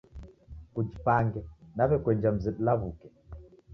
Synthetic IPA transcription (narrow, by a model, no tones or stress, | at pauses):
kud͡ʒipaŋɡɛnaβɛkwɛɲd͡ʒam̩zɛɗulaβukɛ